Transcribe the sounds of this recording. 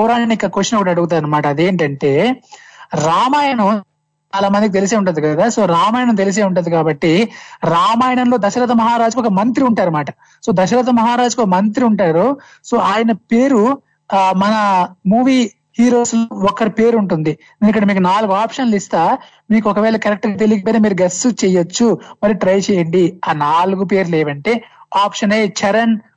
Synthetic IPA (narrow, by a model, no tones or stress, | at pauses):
ɔɾaːnikːɐkoːʃɐnɐkuːɽaɐɐɽuɡut̪̬aːɾɐnːɐmaːʈɐɐd̪e̞ːɳʈɐɳʈe̞ː | ɾaːmaːjɐɳɐ | t͡ʃaːlaːmɐnd̪ikit̪elis̬eːuɳʈund̪ikɐd̪aːso̞ːɾaːmaːjɐɳɐmt̪̬elis̬eːuɳʈund̪ikaːbɐʈːiɾaːmaːjɐɳɐmlo̞ːd̪ɐʃɐɾɐt̪̬ɐmɐɦaːɾaːd͡ʒukɔkɐmɐnt̪ɾiuɳʈaːɾɐmaːʈɐ | so̞ːd̪ɐʃɐɾɐt̪̬ɐmɐɦaːɾaːd͡ʒukɐɔkɐmɐnt̪ɾiuɳʈaːɾu | so̞ːaːjɐnɐpe̞ːɾu | mɐnɐmuːʋiː | hiːɾo̞ːsloɔkːɐɾipe̞ːɾuɳʈund̪iinikːɐɽɐmiːkunaːluɡuaːpʂɐnlist̪aː | miːkuɔkɐʋɛːɭɐkɐɾek̚ʈɡaːt̪̬eliɡipoːneːmiːɾuɡɐsut͡ʃɛjot͡ʃːumɐɾiʈɾɐjt͡ʃɛːjɐɳɖiaːnaːluɡupe̞ːɾleːʋɐɳʈe̞ːaːpʂɐneːt͡ʃɐɾɐn